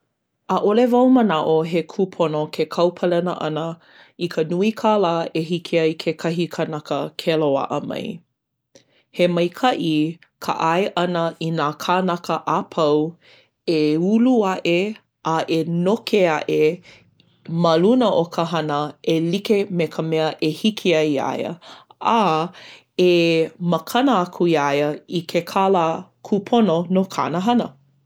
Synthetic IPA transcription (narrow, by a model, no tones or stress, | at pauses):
ʔəʔolevɐwmənaʔoɦekʰupʰonokʰekʰɐwpʰəlɛnəʔɐ̰nə | ikʰənuikʰalaːeɦikʰeaikʰekʰɐɦikʰanɐkəkʰeloa̰ʔə̰mɐ̰j | hemɐjkʰɐʔi | kʰa̰ʔaeʔɐnəʔinaːkʰanɐkəʔapʰɐw | euluɐʔe | ʔaʔenokʰeɐʔe | mɐlunəʔokʰəɦɐnəelikemekʰəmɛəʔehikʰiajia̰jə̰a | eməkʰɐnəɐkʰuiajəikʰekʰalakʰupʰononokʰa̰nəɦɐnə